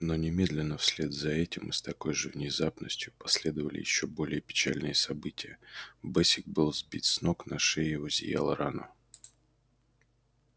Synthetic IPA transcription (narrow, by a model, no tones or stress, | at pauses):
no̞nʲɪmʲe̞d̪lʲɪnːəfsʲlʲed̪zɐɛtʲɪmɨst̪ɐko̞jʐɨvnʲɪzapnəsʲtʲjʊpɐsʲlʲe̞d̪əvəlʲɪ̰jɪ̰ɕːobo̞lʲɪjəpʲɪ̥t͡ɕa̰lʲnɨjəsɐbɨtʲɪjəbɛsʲɪk̚bɨlˠzbʲitʲsno̞knaʂɛɪʊzʲɪ̰ja̰lˠəɾanə̰